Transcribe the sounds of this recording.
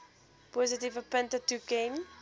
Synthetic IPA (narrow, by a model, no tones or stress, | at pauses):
pɔzətivəpəntətukɛ̃n